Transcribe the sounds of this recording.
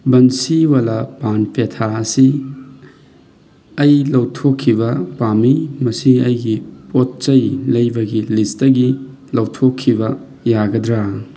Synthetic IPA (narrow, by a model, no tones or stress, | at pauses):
bɐnsiwalɐpanpʰetʰaɐsi | ɐjlɐwtʰokʰːibɐpamimɐsiɐjɡipot̚t͡ʃɐjlɐjbɐɡilistɐɡi | lɐwtʰokʰːibɐ | jaɡɐdɾa